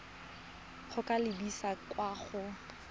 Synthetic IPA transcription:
χʊkʼalɪbisakwaːχʊ

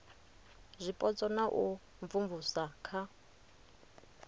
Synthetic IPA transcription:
zʷipʼɔt͡sʼɔnaʔu | ɱfuɱvusakʰa

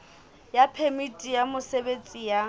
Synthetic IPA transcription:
japʰemitʼijamʊsebet͡sʼija

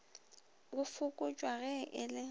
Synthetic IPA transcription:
ɣʊfʊkʼʊt͡ʃʼwaɣɛʔɪlɪ

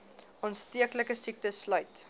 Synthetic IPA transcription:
ɔnstiəkləkəsik̚təslœɥt

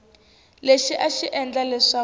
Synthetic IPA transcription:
leʃiʔaʃiʔɛnd͡ɮalɛʂa

